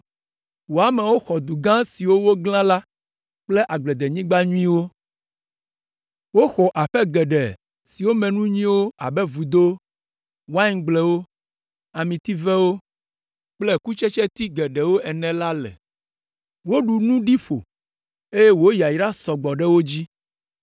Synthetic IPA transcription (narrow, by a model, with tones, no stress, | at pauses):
wo˨a˨mɛ˨wo˦xɔ˨d̪u˨ɡã˦si˨wo˦wo˦ɡlã˦la˦ | k͡ple˦ʔa˨ɡ͡blɛ˨d̪e˨ɲĩ˦ɡ͡ba˦ɲũ˦ĩ˦wo˦ | wo˦xɔ˨ʔa˨ɸɛ˦ɡɛ˨ɖɛ˨ | si˨wo˦mɛ̃˨nũ˦ɲĩ˦wo˦a˨bɛ˦vu˨d̪o˦ | wã˦ɡ͡blɛ˨wo˦ | a˨mĩ˨t̪i˦vɛ˦wo˦ | k͡plɛ˦ku˦t͡ʃɛ˦t͡ʃɛ˦t̪i˦ɡɛ˨ɖɛ˨wo˦ʔɛ˨nɛ̃˨la˦lɛ̰˨ | wo˦ɖu˨nũ˦ɖi˦ɸo̰˨ | e˦je˦wo˦ji˨a˨ji˨ɖa˦sɔ˨ɡ͡bɔ˨ɖɛ˦wo˦d͡ʑi˦